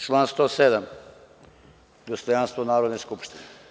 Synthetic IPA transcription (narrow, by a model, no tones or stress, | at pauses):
t͡ʃlˠanst̪osed̪am | d̪ost̪ojanst̪vʋonaːɾod̪neskupʃt̪ine